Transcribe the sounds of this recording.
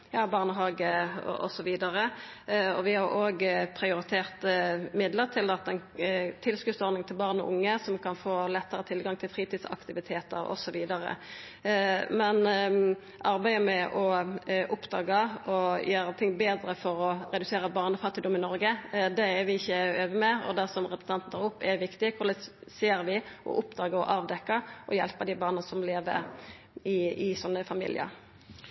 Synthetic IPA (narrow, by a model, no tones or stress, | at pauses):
jɑːbɑʁnəɦɑːɡəɔ̰ʔɔ̰sɔʋiːd̪ɑʁə | ɔʋɪhɑɾoːɡpʰɾɪʊɾɪt̪ʰeːʁt̪mɪd̪ləʁt̪ʰɪlɑt̪̚ːɛnt̪ʰɪlskʉdt̪sɔʁɾnɪŋt̪ʰɪlbɑʁnɔ̰ʔʊ̰ŋːəsɔmkʰɑnfoːlɛt̪ːəʁət̪ʰɪlɡɑŋt̪ʰɪlfɾiːt̪iːd̪sɑ̰kt̪ɪʋɪt̪ʰeːt̪ə̰ɾɔ̰sɔʋiːd̪ɑʁə̰ | mɛn | ʔɑʁbæɪəmɛʔɔʔʊpːd̪ɑːɡɑɔjøːɾət̪ʰɪŋːbeːd̪ɾəfɔɾɔɾɛd̪ʉseːɾəbɑːʁnəfɑt̪ːɪd̪ʊmɪnɔɾɡəd̪ɛɛɾʋɪɪçːəøːʋəmɛɔ̰d̪æʁsɔmʁɛpɾʁ̥sɑnt̪n̩t̪ʰɑːʁʊpːɛʋɪkt̪ɪkʰʊʁlɛseːɾʋɪʔɔ̰ʔʊpːd̪ɑːɡəɔʔɑːʋd̪ɛkːəʔɔjɛ̰lpəd̪ɪbɑːʁnəsɔmleːʋə̰ɾ | ɪɪsɔnːəfɑmḭːlɪ̰ə̰ɾ